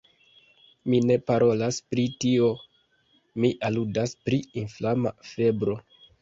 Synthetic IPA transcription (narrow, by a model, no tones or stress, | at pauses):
mine̞paɾo̞laspɾitio̞ | miʔaludaspɾiinflama̰fe̞bɾo̞